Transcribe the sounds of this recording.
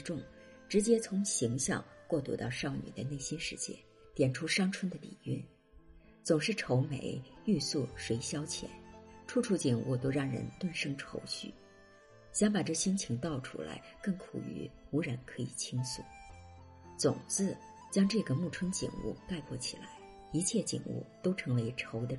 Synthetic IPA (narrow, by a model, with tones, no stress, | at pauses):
ʈ͡ʂʊ˥˩ŋ | ʈ͡ʂɻ̩˧˥t͡ɕjɛ˥t͡sʰʊ˧˥ŋɕi˧˥ŋɕjɑ̰˥˧ŋkwɔ˥˩t̪ṵ˧˥t̪ɑ˥˧ʊʂɑ˥˩ʊny̰˨˩d̪ə˦ne˥˩ɪɕi˥nʂɻ̩˥˧t͡ɕjɛ̰˥n | t̪jɛ˨˩nʈ͡ʂʰu˥ʂɑ˥ŋʈ͡ʂʰwə˥nd̪ə˨p̪ḭ˨˩y˥˩n | t͡sʊ˨˩ŋʂɻ̩˥˩ʈ͡ʂʰo˧˥ʊmḛ˧˥ɪy˥˧su˥˩ʂwe˧˥ɪɕjɑ˥ʊt͡ɕʰjɛ̰˧˥˦nʈ͡ʂʰu˥ʈ͡ʂʰu˥˩t͡ɕi˨˩ŋṵ˥˧t̪o˥ʊɻɑ˥˩ŋɻə̰˧˥nt̪wa˥˩nʂɤ˥ŋʈ͡ʂʰo˧˥ʊɕy̰˥˩ | ɕjɑ˥ŋpa˨˩ʈ͡ʂɤ˥˩ɕi˥nt͡ɕʰi˧˥ŋt̪ɑ˥˩ʊʈ͡ʂʰṵ˥la̰˧˥ɪkɤ˥˩ŋkʰṵ˨˩y̰˧˥u˧˥ɻə˧˥nkʰɤ˧˥i˨˩t͡ɕʰi˥ŋsṵ˥˩˦ | t͡sʊ˨˩ŋt͡sɹ̩˥˩ | t͡ɕjɑ˥ŋʈ͡ʂɤ˥˩ɡə˩mu˥˩ʈ͡ʂʰwə˥nt͡ɕḭ˨˩ŋṵ˥˧k̪a˥˧ɪpʰwɔ˥˩t͡ɕʰḭ˨˩la̰˧˥ɪ | i˧˥t͡ɕʰjɛ˥˩t͡ɕḭ˨˩ŋṵ˥˩t̪o˥ʊʈ͡ʂʰɤ˧˥ŋwe˧˥ɪʈ͡ʂʰo˧˥ʊd̪ə˧